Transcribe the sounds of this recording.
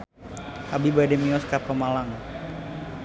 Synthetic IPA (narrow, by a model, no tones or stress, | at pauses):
ʔabibadɛmiɔskapəmalaŋ